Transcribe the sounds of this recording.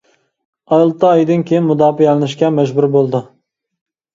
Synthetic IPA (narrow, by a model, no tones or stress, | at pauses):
ɑjlˠt̪ːɑːjd̪ɨnkʲʰejinmud̪ɑːfijɛlɪnɪʃkʲɛmɛʒbuɾbolˠd̪ɨ